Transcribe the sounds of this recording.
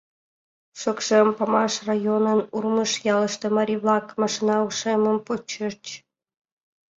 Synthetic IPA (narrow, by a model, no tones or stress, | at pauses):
ʃokʃempɑmɑʃrajonənurməʃjɑləʃt̪ĕmɑɾʲiβlɑkmɑʃinɑuʃeməmpot͡ɕərt͡ɕ